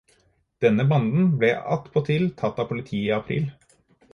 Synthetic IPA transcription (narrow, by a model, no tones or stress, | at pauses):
d̪̥ɛnːəbɑnd̪n̩blɛɑ̰t̪ːpʰoːt̪ʰɪlt̪ʰɑt̪ːɑːpʰʊlɪt̪ʰiːiɑpʰɾḭːl